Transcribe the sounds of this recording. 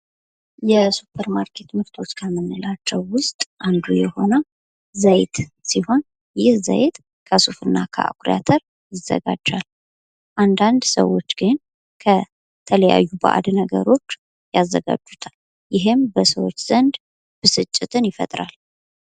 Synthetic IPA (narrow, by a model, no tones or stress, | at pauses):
jɛsupʰəɾmaɾkʰe̞t̪mɨɾt̪ʰo̞t͡ʃːkʰəmɨnːɨlat͡ʃːɛwːʊst̪ʼʔand̪ujɛho̞nə | zəjt̪siho̞n | jɪhzə̰jt̪ | kʰəsufɨnːakʰə̰ʔa̰kʰʼɾia̰t̪ʰəɾ | jɪzə̰ɡa̰d͡ʒːal | ʔand̪and̪sə̰wo̞t͡ʃːɡ̥ɨn | kʰə | t̪ʰələja̰jːubə̰ʔa̰d̪nəɡə̰ɾo̞t͡ʃː | jazːəɡa̰d͡ʒːut̪ʰal | jɪɦɨmbəsəwo̞t͡ʃːz̥ənd̪ | b̥ɨsɨt͡ʃʼːɪt̪ʰɨnjɪfə̰t̪ʼɾal